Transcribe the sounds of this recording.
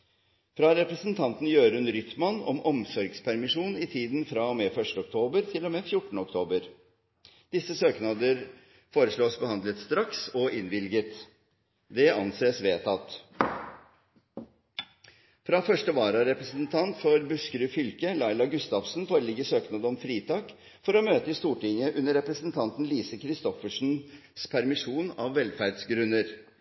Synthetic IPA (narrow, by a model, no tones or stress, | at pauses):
fɾɑɾɛpɾəsənt̪ʰɑnt̪n̩jøːɾʉnɾʏt̪mɑnɔ̰mɔmsɔɾɡspʰæɾmɪʂuːnɪt̪ʰiːd̪nfɾɑɔmɛfœʂʈəɔk̚t̪ʰoːbəɾt̪ʰɪlɔmɛːfjʊʈːɳ̩ɔkt̪ʰoːbəɾ | d̪̥ɪsəsøːknɑd̪əɾ | foːɾəʂɭoːsbəhɑnd̪lət̪st̪ɾɑksɔʔɪnʋɪlɡət̪ | d̪ɛɑnseːsʋeːt̪ʰɑt̪ː | fɾɑfœʂʈəʋɑːɾɑɾɛpɾəsənt̪ʰɑnt̪fɔɾbʉskɾʉːfʏlkəlɑɪlɑɡʉst̪ɑʋsn̩foːɾəlɪɡəsøːknɑd̪əɔmfɾiːt̪ʰɑːk | fɔɾɔmøːt̪əɪst̪uːʈɪŋjəʔʉnːəɾːɛpɾəsənt̪ʰɑnt̪n̩liːsəkʰɾɪst̪ɔfəʂn̩spʰæɾmɪʂuːnɑʋːɛlfæɖsɡɾʉnəɾ